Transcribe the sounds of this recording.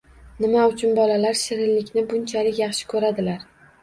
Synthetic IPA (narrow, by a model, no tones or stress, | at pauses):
nɪmaʊt͡ʃʰʊnbɒlalaɾʃɪɾɪllɪkʲnɪbʊnt͡ʃʰalɪkʲjɑχʃɪ̥kʰɵɾad̪ɪlaɾ